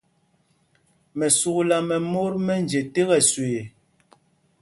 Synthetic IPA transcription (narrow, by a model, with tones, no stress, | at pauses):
mɛ˨su˨kla˨mɛ˨mo˦ɾmɛ˦n˨d͡ʒe˨te˦ɣɛ˨sweː˨